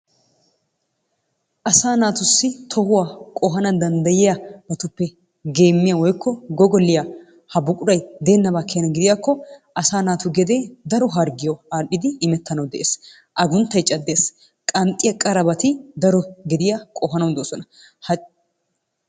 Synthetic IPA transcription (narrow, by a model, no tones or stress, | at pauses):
ʔɐsaːnaːt̪ʊsːɪt̪ʰɔhʊwaːkʼɔɦɐnɐd̪ɐnd̪ɐjɪjɐbɐt̪ʊpːɛ | ɡe̞ːmːɪjawɔjkːɔɡɔɡɔlːɪja | hɐbʊkʼʊɾɐjd̪e̞ːnːɐbaːkʰːenɐɡɪd̪ɪjakːɔʔɐsaːnaːt̪ʊɡɛd̪eːd̪ɐɾɔɦɐɾɡɪjɔaːpːɪd̪ɪːmɛt̪ːɐnɐwd̪ɛʔeːs | ʔɐɡʊnt̪ːɐjt͡ʃʼɐd̪ːe̞ːs | kʼɐnt̪ʼːɪjɐkʼɐɾɐbɐt̪ɪd̪ɐɾɔɡɛd̪ɪjakʼɔɦɐnɐwd̪oːsɔnɐ | hɐ